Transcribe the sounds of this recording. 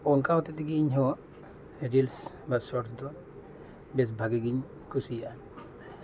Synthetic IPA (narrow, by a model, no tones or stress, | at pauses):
ɔnkawt̪et̪iɡiɲɦɔ | ɾils | basɔʈsd̪ɔn | bes̬bʱaɡiɡiɲ | kʰusijan